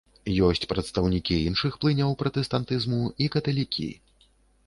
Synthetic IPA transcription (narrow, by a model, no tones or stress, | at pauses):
jɔsʲt͡sʲpɾɐt̪st̪ɐwnʲikʲiinʂɨxplˠɨnʲɐwpɾɐt̪ɛst̪ant̪ɨzmuikɐt̪ɐlʲikʲʰḭ